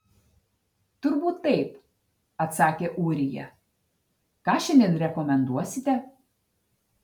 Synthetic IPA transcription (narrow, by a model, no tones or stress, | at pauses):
t̪ʊɾbuːt̪ːɐɪp | ɐt̪sɑːkʲeːʔuːɾʲɪjɛ̰ | kɑːʃʲɛnʲenɾʲɛkɔmʲɛnd̪uɔsʲɪt̪ʲɛ